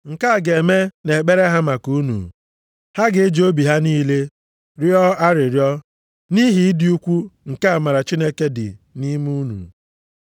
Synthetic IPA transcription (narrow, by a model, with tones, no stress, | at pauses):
ŋ̩˨ka˦˨ɡe˨me˦ne˨k͡pe˦ɾe˦ɦa˦ma˨ku˨˦nṵ˨ | ha˦ɡɪ˨e˦d͡ʒo˦bi˨ɦa˦niː˦le˦ | ɾjɔ˦a˦ɾɪ˨ɾjɔ˦ | ni˦ɦi˨ɪ˦dɪ˦u˦kʷu˦ŋ̩˨ka˦a˨ma˨ɾa˨t͡ʃi˦ne˦ke˦dɪ̰˨ni˦mu˦nṵ˨